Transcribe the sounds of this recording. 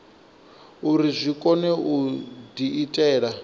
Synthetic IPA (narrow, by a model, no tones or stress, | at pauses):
uɾizʷikʼɔnɛʔudiːtʼɛːɺa